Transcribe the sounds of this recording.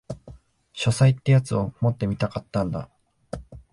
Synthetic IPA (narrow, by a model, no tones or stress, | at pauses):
ɕo̞sait̪ːe̞jat͡sɨo̞mo̞t̪ːe̞mʲit̪akat̪ːãnd̪a̰